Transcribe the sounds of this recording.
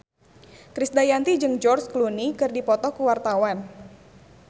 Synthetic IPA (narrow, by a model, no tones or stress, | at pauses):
kɾisdajant̪id͡ʒɨŋd͡ʒɔrsklunikɨrdipɔt̪ɔkuwart̪awan